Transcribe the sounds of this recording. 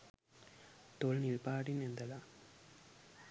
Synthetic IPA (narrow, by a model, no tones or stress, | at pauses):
t̪ɔɭnɪɭpaːɽɪnɛnd̪ɐla